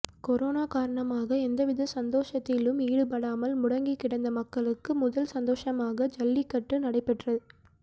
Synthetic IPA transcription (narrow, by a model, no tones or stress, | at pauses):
kɔɾoːnaːkaːɾɐɳɐmaːɣɐɛnd̪ɐʋɪðɐsɐnd̪oːʂɐt̪ːɪlɯmiːɽɯpɐɽaːmɐlmʊɽɐŋɡɪkːɪɽɐnd̪ɐmɐkːɐɭɯkːɯmʊðɐlsɐnd̪oːʂɐmaːɣɐd͡ʒɐlːɪkːɐʈːɯnɐɽɐɪpːɛʈrɐðɯ